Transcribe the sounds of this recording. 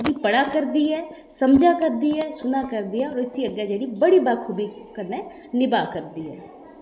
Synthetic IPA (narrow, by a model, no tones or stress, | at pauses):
d̪iːpəɽaːkəɾd̪iːɦɛː | səmd͡ʒaːkəɾd̪iːɛːsʊnaːkəɾd̪iaɔːɾəsiːəɡːɛːd͡ʒeːɽiːbəɽiːbaːɾkʰuːbiːkəneː | nɪbaːkəɾd̪iːɛː